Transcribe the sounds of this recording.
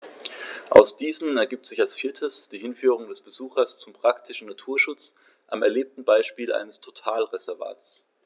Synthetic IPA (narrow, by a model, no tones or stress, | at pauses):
ʔa̰ʊsd̥iːzn̩ɛɐɡiːp̚tz̥ɪçalsfiːɐtʰəsd̥iːhɪnfyːʁ̞ʊŋdɛsb̥əzuːxɐst͡sʊmpʁ̥aktʰɪʃn̩natʰuːɐʃʊt͡s | ʔamɛɐleːp̚tn̩baɪʃpiːlʔa̰ɪnəstʰotʰaːlʁezɛɐva̰ːt͡s